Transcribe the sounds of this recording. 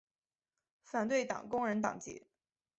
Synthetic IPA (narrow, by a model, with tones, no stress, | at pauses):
fa˨˩nt̪we˥˩ɪt̪ɑ̰˨˩ŋkʊ˥ŋɻə˧˥nt̪ɑ̰˨˩ŋt͡ɕḭ˧˥